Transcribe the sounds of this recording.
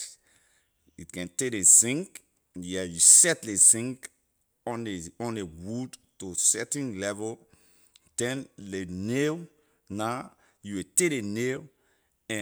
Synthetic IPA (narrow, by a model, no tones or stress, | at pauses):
itkɛ̃ntedesĩŋk | jɛjusɛtlesĩŋk | ɔ̃neɔ̃nlewudtosɛtĩnlɛvɔl | d̥ɛ̃nlenel | na | juwitedenel | ɛ̃